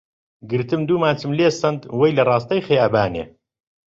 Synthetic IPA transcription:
ɡɨɾt̪ɨmd̪uːmaːt͡sɨmleːsɐnd̪wɐjlɐrˤɑːst̪ɐjxejaːbaːnḛː

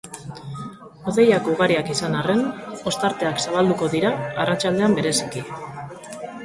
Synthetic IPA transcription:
o̞ðe̞jakuɣ̞aɾiakisanare̞no̞st̪aɾt̪e̞aksaβ̞ald̪uko̞ðiɾaːrat͡ʃald̪e̞ambe̞ɾe̞si̥ki

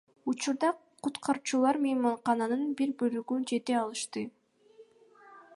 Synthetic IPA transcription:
ut͡ʃuɾd̪ɑ | qʰut̪qʰɑɾut͡ʃulˠɑɾmejmɑɴqɑnɑnɯnbiɾbølyɡynd͡ʒe̞t̪e̞ɑlˠɯʃt̪ɯ

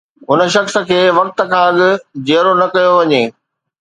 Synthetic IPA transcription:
ɦʊnə̆ʃɐxsə̆kʰeːʋɐk̚t̪ə̆kʰãːɐɠɪ̆d͡ʑeːɾonɐkɐjoʋɐɲeː

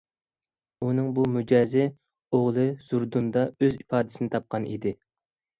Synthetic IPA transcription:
unɨŋbumud͡ʒɑːzɪ | oʁlˠɨz̥uɾd̪und̪ɑøzipʰɑːd̪ɪsɪnɪt̪ʰɑp̚qʰɑnʔḭd̪ɪ

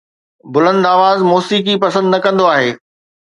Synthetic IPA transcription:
bʊlə̃nd̪aːʋaːzmɔːsiːk̬ipɐsə̃nd̪nɐkɐ̃nd̪oaːɦeː

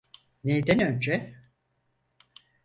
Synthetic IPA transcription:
nejd̪ænø̞nd͡ʒɛ

